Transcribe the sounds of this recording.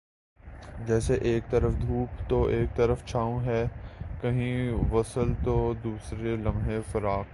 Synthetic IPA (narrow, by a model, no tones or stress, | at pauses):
d͡ʒɛːseʔeːk̚t̪əɾəfd̪ʱuːpt̪oʔeːk̚t̪əɾəft͡ʃʰaːõɦɛːkɐɦĩʋɐsəlt̪oːd̪uːsɾelɐ̃mɦẽfɐɾaːk